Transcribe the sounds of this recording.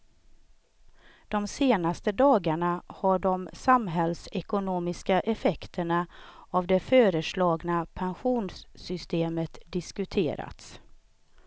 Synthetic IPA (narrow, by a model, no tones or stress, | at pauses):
d̪̥ɔmseːnast̪əd̪ɑːɡaɳahaɖɔmsamɦɛlsɛkʊnoːmɪskaʔɛfɛkt̪ʰəɳaavd̪ɛføːɾəʂlɑːɡnapʰɛnɧuːnsːʏst̪eːmət̪d̪ɪskɵt̪ʰḛːɾa̰t̪s